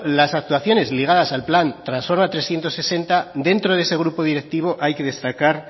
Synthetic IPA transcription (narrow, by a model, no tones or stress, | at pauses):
lasak̚t̪waθjo̞ne̞zliɣ̞að̞asalplant̪ɾansfo̞ɾmat̪ɾe̞sθje̞nt̪o̞sese̞nt̪ad̪e̞nt̪ɾo̞ðese̞ɣ̞ɾupo̞ð̞iɾe̞k̚t̪iβ̞o̞ʔajke̞ðe̞st̪akaɾ